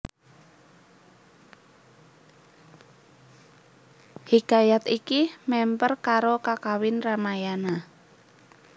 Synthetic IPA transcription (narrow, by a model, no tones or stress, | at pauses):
hikajat̪ikimɛmpərkaɾokakawɪnramajana